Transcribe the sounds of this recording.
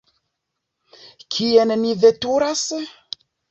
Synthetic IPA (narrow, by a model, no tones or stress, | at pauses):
kʰienmivetuɾas